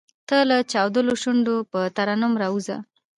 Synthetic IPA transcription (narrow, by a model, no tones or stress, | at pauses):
t̪əlat͡ʃɑwd̪əloʃuɳɖopət̪aɾanʊmɾɑuza̰